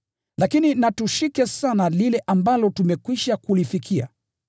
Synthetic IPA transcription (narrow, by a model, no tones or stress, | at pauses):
lakininatuʃikɛsanalilɛʔambalɔtumɛkwiʃakulifikʰia̰